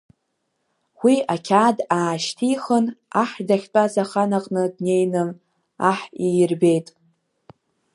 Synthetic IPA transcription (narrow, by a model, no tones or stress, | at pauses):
wiakʲʰaːdaːʃtʰiχənaħdaχʲt͡pʷʼazaχanaqʼnɨdne̞jnɨm | aħijrbe̞jtʼ